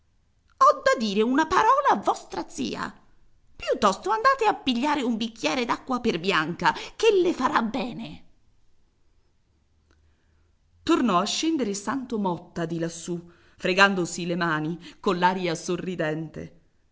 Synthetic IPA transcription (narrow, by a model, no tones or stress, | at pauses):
ɔd̪ːad̪iːɾeunapaɾɔːlaːvːɔst̪ɾat̪sḭːa̰ | pjut̪ːɔst̪oand̪aːt̪eapːiʎːaːɾeumbik̟ːjɛːɾed̪akːwaperbjaŋkakelːefaɾabːɛːne | t̪ornɔaʃːɛnd̪eɾesant̪omɔt̪ːad̪ilasːu | fɾeɡand̪osilemaːnikonlaːɾjasorːid̪ɛnt̪ḛ